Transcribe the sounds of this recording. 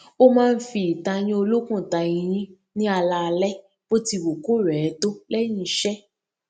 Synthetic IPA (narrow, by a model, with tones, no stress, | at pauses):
o˦mãː˦˧n̩˦fi˧i˨ta˧ɲ̃ĩ˦o˧lo˦kũ˦˨ta˧ĩ˧j̃ĩ˦ | nĩ˦a˧la˧lɛ˦ | b̥o˦ti˧wo˨ko˦˨ɾɛ˨˦to˦lɛ˦j̃ĩ˧˨ʃɛ˦